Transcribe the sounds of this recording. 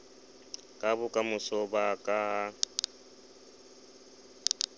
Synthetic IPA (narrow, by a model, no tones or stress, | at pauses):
kʼabʊkʼamʊsɔbakʼaɦa